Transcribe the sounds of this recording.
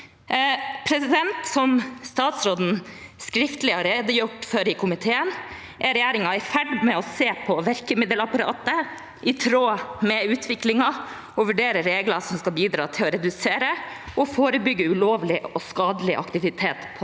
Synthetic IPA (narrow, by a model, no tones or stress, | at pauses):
pʰɾɛsɪd̪ɛnt̪sɔmst̪ɑːt̪sɾoːd̪n̩skɾɪft̪lɪhɑɾeːd̪əjʊʈːfœɾɪkʰʊmɪt̪ʰeːən | ʔæɾɛjæːɾɪŋɑɛɾfæɖmɛɔseːpʰɔʋæɾkəmɪd̪əlɑpɑɾɑ̰ːt̪ə | ʔɪt̪ʰɾoːmɛʉːt̪ʰʋɪklɪŋɑ | ɔʋʉɖeːɾəɾeːɡlɑsɔmskɑbiːd̪ɾɑ̰ːt̪ʰɪlɔɾɛd̪ʉseːɾə | ɔfoːɾəbʏɡːəʉloːʋlɪɔskɑːd̪əlɪʔɑ̰kt̪ɪʋɪt̪ʰeːt̪pʰ